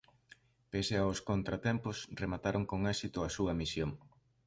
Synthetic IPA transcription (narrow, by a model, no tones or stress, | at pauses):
peseaʊskont̪ɾat̪ɛmpʊsremat̪aɾoŋkoŋɛsit̪ʊɐsuɐmisjoŋ